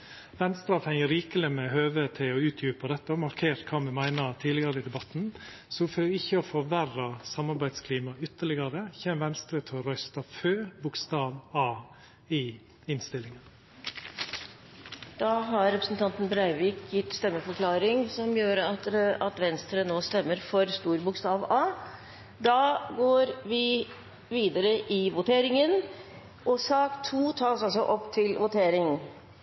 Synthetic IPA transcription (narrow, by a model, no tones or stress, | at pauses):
ʋɛnst̪ɾɑt̪ʰɛŋəɾiːkəlɪmɛɦøːʋeːt̪ʰɛːɔʉːt̪ʰjʉːpəd̪ɛt̪ːəɔmɑɾkʰeːɾt̪kʰɑːmɛmæɪnɑɾt̪ʰiːlɪɡɑɾəɪd̪ɛbɑt̪n | sɔføɪçːəɔfɔɾʋærɑsɑmɑɾbæɪd̪skʰliːmɑʏt̪ːəɭɪɡɑɾəçɛmʋɛnst̪ɾət̪ʰɛɔɾœʏst̪ɑføːbʊkst̪ɑːʋɑː | ɪ | ɪnst̪ɪlːɪŋən | d̪̥ɑːɦɑɾɾɛpɾəsn̩t̪ʰɑnt̪ənbɾæɪʋɪːkjɪt̪ːst̪ɛmːəfɔɾkʰlɑːɾɪŋsɔmjøːɾəɑt̪ɑt̪ʋɛnst̪ɾənoːst̪ɛmːəɾfɔɾst̪uːɾbʊkst̪ɑːʋɑː | d̪ɑːɡoːɾʋɪ | ʋiːd̪əɾəʔɪʋʊt̪ʰeːɾɪŋən | ʔɔsɑːkt̪ʰuːt̪ʰɑːsɑlsɔʔɔpːt̪ʰɪlʋʊt̪ʰeːɾɪŋ